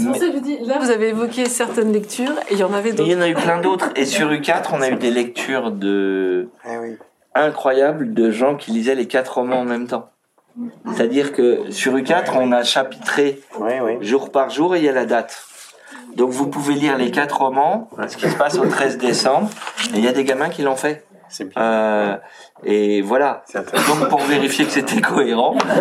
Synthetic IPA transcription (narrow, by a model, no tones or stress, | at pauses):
ilavuzaveːvɔkʲesɛʁt̪ɛnlɛk̚t̪ʰyːʁelɑ̃navɛd̪iɑ̃nayplɛ̃d̪ot̪χesyʁykʲat̪χɔ̃nayd̪elɛk̚t̪ʰyːʁd̪ə | ɛ̃kχwajabld̪əʒɑ̃kʲilizɛlekʲat̪χɔmɑ̃ɑ̃mɛmt̪ɑ̃ | set̪ad̪iʁkəsyʁykʲat̪χɔ̃naʃapi̥t̪χe | ʒuʁpaʁʒuʁeijalad̪at̪ | d̪ɔ̃kvupuveliʁlekat̪χɔmɑ̃sə̥kʲisə̥pasot̪χɛzd̪esɑ̃bʁeljad̪eɡʲamɛ̃kʲilɑ̃fɛ | ø | evwalad̪ɔ̃k̚puʁveʁifjekə̥set̪ʰɛkʰɔeʁɑ̃